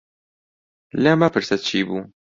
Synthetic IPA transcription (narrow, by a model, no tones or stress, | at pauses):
lɛmapɨɾsɛt̪̚t͡ʃiːbuː